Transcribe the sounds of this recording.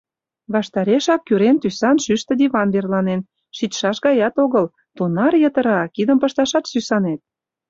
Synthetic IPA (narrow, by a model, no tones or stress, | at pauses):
βɑʃt̪ɑɾeʃɑkːyɾent̪ysɑnʃyʃt̪ə̆d̪iβɑnβerlɑnen | ʃit̪ʃɑʃɣɑjɑt̪oɣəl | t̪unɑrjət̪ə̆ɾɑkid̪əmpəʃt̪ɑʃɑt̪ʃysɑnet̪̚